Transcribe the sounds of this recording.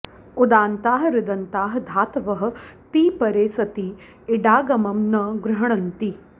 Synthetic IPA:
ud̪aːnt̪aːɦɐɾɪd̪ɐnt̪aːɦɐd̪ʱaːt̪ʋɐɦɐ̆t̪iːpɐɾeːsɐt̪i | ɪɖaːɡɐmɐmnɐɡɾɐɦɐɳ̃ɐnt̪i

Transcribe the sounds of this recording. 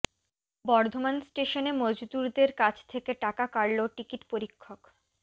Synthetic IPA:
bɔɾd̪ʱomansʈeʃonemod͡ʑud̪uɾd̪eɾkat͡ɕʰt̪ʰekeʈakakaɾloʈikiʈpoɾikʰːok

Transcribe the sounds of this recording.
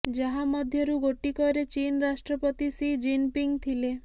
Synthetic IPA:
d͡ʒaɦamɔd̪ʱjɔɾuɡoʈikɔɾet͡ʃinɾasʈɾɔpɔt̪isid͡ʒinpiŋɡt̪ʰile

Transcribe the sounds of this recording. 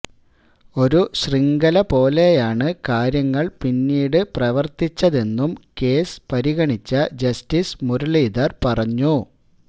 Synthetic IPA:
o̞ɾuɕriŋɡɐlɐpo̞ːle̞jaːɳɨkaːɾjɐŋːɐɭpinːiːɽɨprɐʋɐrt̪it͡ɕːɐðe̞nːumke̞ːspɐɾiɣɐɳit͡ɕːɐd͡ʑɐstismuɾɐɭiːd̪ɐrpɐrɐɲːu

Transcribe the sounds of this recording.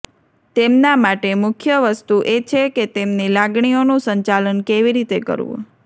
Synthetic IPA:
t̪emnamaʈemʊkʰjəʋəst̪uʔet͡ʃʰeket̪emnilaɡɳionũsəɲt͡ʃalənkeʋiɾit̪ekə̰ɾʋṵ̃

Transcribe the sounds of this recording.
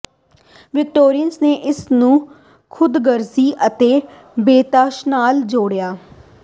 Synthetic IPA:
ʋɪk̚ʈoːɾiənsneːʔɪsnũː | kʰʊd̪ɡəɾziːʔət̪eː | beːt̪aːʃnaːld͡ʒoːɽjaː

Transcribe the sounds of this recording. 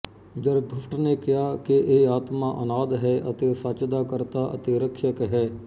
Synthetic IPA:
d͡ʒəɾd̪ʱʊʃʈnekijakeʔeaːt̪maʔɐnaːd̪ɦɛːʔɐt̪esat͡ʃd̪akəɾt̪aʔɐ̰t̪eɾəkʃəkɦɛː

